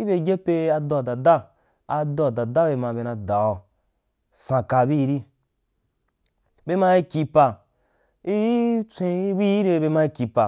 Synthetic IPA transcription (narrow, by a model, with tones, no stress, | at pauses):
i˦be˧ɡʲe˦pe˧a˧dɔ˧˨da˨da˦ | a˧dɔ˧˨da˨da˦be˧mã˧be˧na˧da˨wɔ˨ | sã˧ka˧bi˦˧ɾi˦ | be˧ma˧i˦˧kʲi˧pa˧ | i˦jt͡sʷẽ˧i˦bi˦ji˦ɾe˧be˧mã˧i˧˦ki˧pa˨